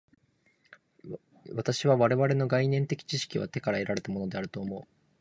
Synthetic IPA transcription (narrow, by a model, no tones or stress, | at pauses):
βat̪aɕiβaβaɾe̞βaɾe̞no̞ɡainẽ̞nt̪e̞kʲi̥t͡ɕiɕi̥kʲiβa̰t̪e̞kaɾae̞ɾaɾe̞t̪amo̞no̞d̪e̞aɾɯ̟t̪o̞ːmo̞ɯ